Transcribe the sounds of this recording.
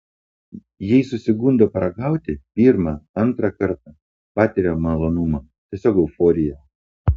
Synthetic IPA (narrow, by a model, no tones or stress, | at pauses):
jɛɪsʊsʲɪɡʊnʲd̪ʲoːpɾɐɡɑˑʊt̪ʲɪpʲiːɾmɑːɐnˑt̪ɾɑkɐɾt̪ɐ | pɑːt̪ʲɪɾʲomɐlˠonʊmɐː | t̪ʲiɛsʲoːɡɐʊfoːɾʲɪjɛ